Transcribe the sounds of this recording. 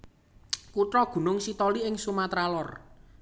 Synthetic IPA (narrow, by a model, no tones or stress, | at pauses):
kuʈɾɔɡ̥ṳnʊŋsit̪ɔliɪŋsumat̪ɾalɔr